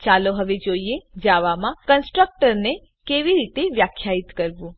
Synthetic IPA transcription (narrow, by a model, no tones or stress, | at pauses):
t͡ʃaloɦəʋed͡ʒoied͡ʒaʋamãkənsʈɾək̚ʈəɾne | keʋiɾit̪eʋjakʰːjait̪kəɾʋũ